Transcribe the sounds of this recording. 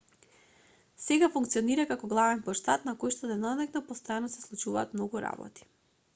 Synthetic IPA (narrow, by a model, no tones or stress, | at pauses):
sɛɡafuŋkt̪siɔniɾakakɔɡlˠavɛnpɔʃt̪at̪nakojʃt̪ɔd̪ɛnɔnɛknɔpɔst̪ɾanasɛ̥slˠut͡ʃuvaːt̪mnɔɡuɾa̰bɔ̰t̪i̥